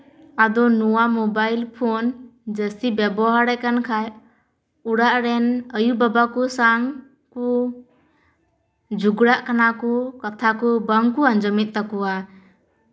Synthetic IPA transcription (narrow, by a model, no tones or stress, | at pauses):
ad̪ɔnuwamɔbajlpʰond͡ʒəsibɛbɔɦaɾajkankʰaj | uɽaʔɾɛnəjubabakusaŋ | ku | d͡ʒuɡɽaʔkanakukat̪ʰakubəŋkuand͡ʒɔmit̪̚ˀt̪akuwa